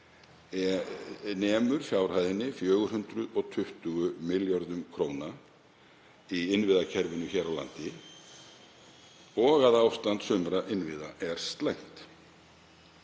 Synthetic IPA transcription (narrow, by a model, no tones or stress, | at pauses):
nɛːmʏɾ̥fjaːwɾ̥hajðɪnːɪfjœːɣʏɾ̥hʏnt̪ɾʏðɔɣt̪ʰʏht̪ʏɣʏmɪljɔɾðʏmkʰɾoːwna | iɪnvɪːðacʰɛɾvʏnʏçɛːɾawla̰nt̪ɪ | ɔɣaðawst̪ant̪sʏmɾaʔɪnvɪːðaʔɛɾ̥st̪lejŋ̥t̪